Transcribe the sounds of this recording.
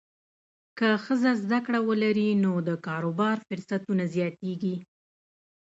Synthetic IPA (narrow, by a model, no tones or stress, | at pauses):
kəxəzazd̪akɽawəlaɾinod̪əkɑɾobɑɾfʊɾsat̪unazjɑt̪eɡi